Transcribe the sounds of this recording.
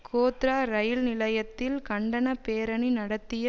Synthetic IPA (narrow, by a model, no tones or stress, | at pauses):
kʰoːt̪ɾaːɾɐjɪlnɪlɐjɐt̪ːɪlkɐɳɖɐnɐpeːɾɐɳinɐɽɐt̪ːɪjɐ